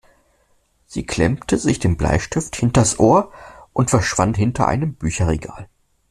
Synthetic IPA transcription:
z̥iːkʰl̥ɛ̰mtʰəzɪçd̥eːmbla̰ɪʃtɪfthɪntɐsʔoːɐʔʊntfɛɐʃv̥anthɪntʰɐ̰ʔa̰ɪnəmbyːçɐʁeɡa̰ːl

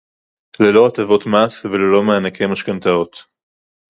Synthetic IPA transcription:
lelo̞at̪avo̞t̪masvelelo̞meanakʰemaʃkant̪ao̞t̪

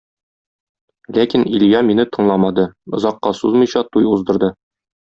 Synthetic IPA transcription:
lækiniljɑminɘt̪ɤ̆ɴlˠɑmɑd̪ɤŏzɑqːɑsuzmɤ̆jɕɑt̪ujuzd̪ɤ̆ɾd̪ɤ

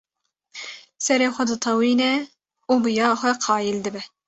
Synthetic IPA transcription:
sɛɾeːxʷɛd̪ɨt̪ʰɑwiːnɛ | ubɨjɑːxʷɛqʰɑːjild̪ɨbɛ

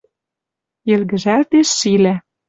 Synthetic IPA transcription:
ĕlɣɘ̆ʒælt̪eʃːilæ

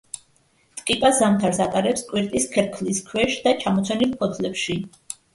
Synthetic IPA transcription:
t̪ʼqkʼipʼasamt̪ʰaɾsat̪ʼaɾɛpskʼwiɾt̪ʼiskʰɛɾkʰliskʰwɛʃd̪at͡ʃʰamɔt̪sʰɛnilˠpʰɔt̪ʰlɛpʃi

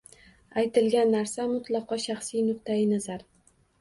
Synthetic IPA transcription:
ajt̪ɪlɡʲanːaɾsamʊt̪ʰlˠɑqʰɒʃaχsijnʊq̚t̪ʰaɪnazaɾ

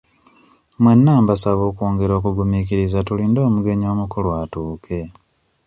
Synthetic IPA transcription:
mwe̞nːaːmbasaβo̞ːkwoːŋɡe̞ɾo̞ːkuɡumikiɾizatulindo̞ːmuɡe̞ɲo̞ːmukulwatuːkʰe̞

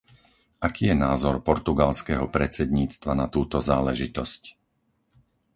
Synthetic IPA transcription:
akiːjɛnaːzɔɾpɔɾt̪uɡalskɛɦɔpɾɛt͡sɛd̪ɲiːt͡st̪ʋanat̪uːt̪ɔzaːlɛʒit̪ɔsc

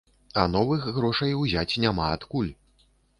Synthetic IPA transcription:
ɐnɔvɨxɣɾɔʂɐjwzʲat͡sʲnʲamaːt̪kulʲ

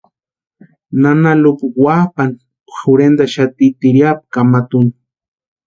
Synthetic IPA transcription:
nanalukuwapan | xuɾend̪aʃat̪it̪iɾjap̚kamat̪un

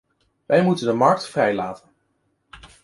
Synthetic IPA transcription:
ʋɛjmutəndəmɑɹk̚tfrɛjla̰ːtən

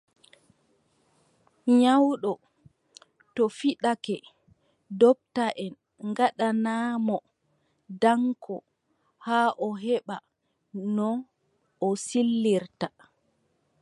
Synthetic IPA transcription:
ɲawɗɔ | tɔfiɗakɛ | dɔp̚taʔɛn | ŋɡaɗanaːmɔ | daŋkʰɔ̰ | haːʔɔɦɛɓa | nɔ | ɔsilːiɾta

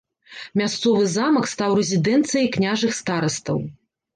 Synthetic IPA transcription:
mʲast̪sɔvɨzamɐkst̪awrɛzʲid̪ɛnt̪sɨjɐjknʲaʐɨxst̪aɾɐst̪ɐw

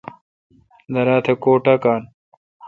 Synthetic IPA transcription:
d̪ɐɾaːt̪ʰekoːʈakaːn

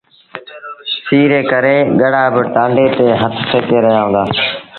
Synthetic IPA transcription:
siːɾeːkəɾeːɠəɽaːbət̪ãːɳɖeːt̪eːɦət̪ʰsʰeːkeːɾəɦjaːɦʊ̃ːnd̪aː

